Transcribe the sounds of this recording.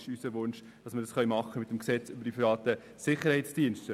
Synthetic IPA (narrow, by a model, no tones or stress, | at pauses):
ʃysəʋʊnʃ | d̥ɑsməɾdɑsχœʏmɑχːəmɪt̪əmksɛt͡sʏbəɾd̥ipʰivɑːt̪ə | sɪχəɾhɛɪsd̥iənʃtə